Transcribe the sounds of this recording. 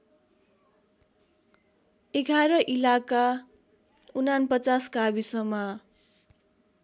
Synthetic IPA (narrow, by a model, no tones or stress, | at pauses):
eɡʱaɾʌʔilaka | unanpʌt͡saskabisʌmʌ